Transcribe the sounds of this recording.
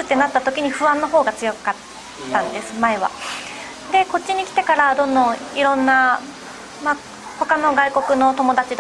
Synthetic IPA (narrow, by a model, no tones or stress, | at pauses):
ɨt̪ːe̞nat̪ːat̪o̞kʲiɲ̟iɸɯ̟βãnːo̞ɦo̞ːɡat͡sɨjo̞kat̪ː | ãnd̪e̞sɨ̥maeβa̰ | d̪e̞ko̞tt͡ɕːiɲ̟ikʲi̥t̪e̞kaɾad̪õ̞nd̪õ̞iɾõ̞nːa | ma | ho̞kano̞ɡaiko̞kɯ̟no̞t̪o̞mo̞d̪at͡ɕid̪